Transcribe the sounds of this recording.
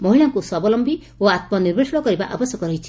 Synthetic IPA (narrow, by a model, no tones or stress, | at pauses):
mɔɦiɭaŋkusɔbɔlɔmbʱi | oat̪̚mɔniɾbesɔɽ̃ɔkɔɾiba̰ʔabɔsjɔkɔɾɔɦit͡ʃʰi̥